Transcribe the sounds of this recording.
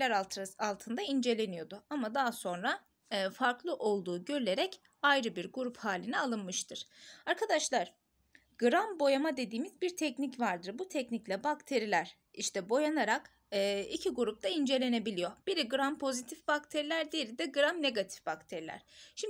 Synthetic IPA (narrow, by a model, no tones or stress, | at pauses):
lʲæɾalˠt̪ʰɯnd̪aind͡ʒe̞lʲe̞nijo̞d̪ʊamad̪aɦso̞nɾa | ɯːfaɾklˠɯʔo̞lˠd̪uːɟø̞ɾylʲe̞ɾɛc | ajɾɯbiɾɡuɾuphaːlʲinɛalˠɯnmɯʃt̪ʰɯɾ̥aɾkʰad̪aʃlˠaɾ̥ | ɡ̥ɯɾambo̞jamad̪e̞d̪iːmizbiɾt̪ʰɛcnicvaɾd̪ɯɾbut̪ʰɛcniclʲɛbakt̪ʰe̞ɾilʲæɾ̥ | iʃt̪ʰɛbo̞janaɾakː | icʰiɡuɾup̚t̪aind͡ʒe̞lʲe̞ne̞bilʲijo̞b̥iɾiɡɯɾampʰo̞zit̪ʰifb̥akt̪ʰe̞ɾilʲæɾd̪ijeɾid̪ɛɡɯɾamne̞ɡat̪ʰi̥fbakt̪ʰe̞ɾilʲæ̰ɾ̥ʃim